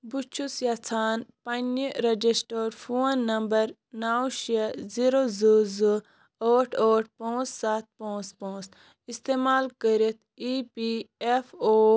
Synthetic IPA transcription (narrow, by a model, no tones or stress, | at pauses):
but͡ʃʰusjat͡sʰaːnpɐniɾɐd͡ʒisʈoːɾfʰuːnːɐmbɐɾ | naːwʃiəziɾozuzu | oːʈʰoːʈ̚ʰpõːt͡ssaːt̪̚põːt͡spõːt͡s | ist̪eːmaːlkəɾit̪̚ʰipiefoː